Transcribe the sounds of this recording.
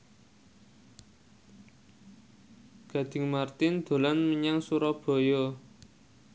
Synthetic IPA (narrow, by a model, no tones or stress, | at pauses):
ɡ̥a̤d̪̥ɪ̤ŋmart̪ɪnd̪̥o̤lanməɲaŋsuɾɔb̥ɔ̤jɔ